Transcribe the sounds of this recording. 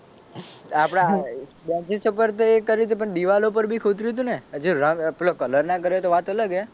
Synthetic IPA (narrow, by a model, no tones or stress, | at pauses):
apɽ̃a | bãt͡ʃisupəɾt̪oekəɾit̪̬upəɳɗ̪iʋalop̬əɾbʱikʰot̪ɾit̪̬ũned͡ʒoɾə̃ŋplokələɾnakəɾet̪oʋat̪ələɡe